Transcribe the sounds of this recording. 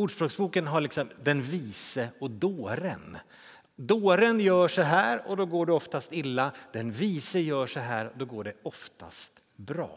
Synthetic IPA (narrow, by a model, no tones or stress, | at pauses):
uːɖʂbɾɔːksbuːkənɦaɭɪksɔmd̪ɛnviːsəɔd̪oːɾə̰n | d̪oːɾənjœːʂɔɦæːɾɔd̪ɔɡoːɖɛɔft̪ast̪ɪlːad̪̥ɛnviːsəjœːʂɔɦæːɾɔd̪ɔɡoːɖɛɔft̪a̰st̪ | bɾɑ̰ː